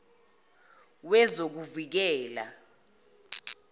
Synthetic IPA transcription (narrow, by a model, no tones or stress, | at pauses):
wɛzok̬uvik̬ɛːla̰